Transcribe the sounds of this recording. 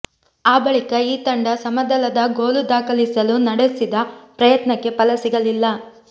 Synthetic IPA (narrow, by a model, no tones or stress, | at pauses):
aːbɐɭikɐiːt̪ɐɳɖɐsɐmɐd̪ɐlɐd̪ɐɡoːlud̪aːkɐlisɐlunɐɽesid̪ɐpɾɐjɐt̪nɐkːe̞pɐlɐsiɡɐlilːɐ